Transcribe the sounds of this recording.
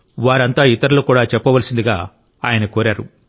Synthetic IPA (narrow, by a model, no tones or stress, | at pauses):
ʋaːɾɐnt̪aːit̪ɐɾulukuːɽaːt͡ʃɛpːɐʋɐlsind̪iɡa̰ː | aːjɐnɐkoːɾaːɾṵ